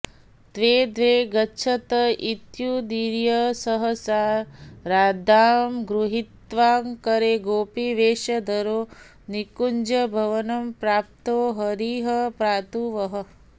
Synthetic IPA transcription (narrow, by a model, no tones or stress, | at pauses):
d̪̥ʋeːd̪ʋeːɡɐtːʃʰɐt̪ɐit̪jud̪iɾjɐsɐɦɐsaːɾɾaːd̪ʱaːmɡɾuɦit̪ʋaːmkɐɾeːɡoːpiʋeːʃɐd̪ʱɐɾoː | nikuɲd͡ʒɐbʱɐʋɐnɐmpɾaːp̚t̪oːɦɐɾiːɦɐpɾaːt̪uʋɐɦɐ